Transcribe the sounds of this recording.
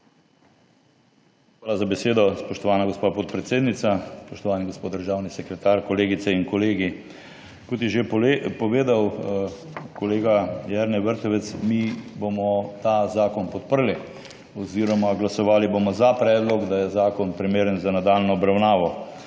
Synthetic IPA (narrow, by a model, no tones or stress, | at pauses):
xʋaːlazabeseːd̪ɔspɔʃt̪ɔʋaːnaɡospaːpɔt̪̚pɾɛt̪seːd̪nit̪saspɔʃt̪ɔʋaːniɡospoːd̪d̪əɾʒaːwnisɛkɾɛt̪aːɾkɔleːɡit̪sɛinkɔleːɡi | kɔt̪jɛʒepɔʋeːd̪aw | kɔleːɡajɛɾnɛʋəɾt̪ɔʋɛt̪smibomɔt̪azaːkɔnpɔt̪̚pəɾli | ɔziːɾɔmaɡlasɔʋaːlibomɔzapɾɛːd̪lɔkd̪ajɛzaːkɔnpɾimeːɾənzanad̪aːlnɔːbɾawnaːʋɔ